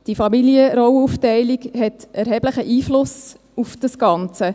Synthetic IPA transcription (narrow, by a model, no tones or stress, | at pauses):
d̥ifɑmiliəɾɔwuftɛɪlikhɛtɛɾɦɛb̥ləχəʔiːflʊs | ufd̥ɑsɡ̥ɑnt͡sə